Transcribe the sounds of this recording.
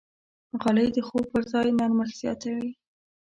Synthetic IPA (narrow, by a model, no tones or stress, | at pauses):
ɣɑləjd̪əxow̚pəɾzɑjnaɾməxz̥jɑ̰t̪awi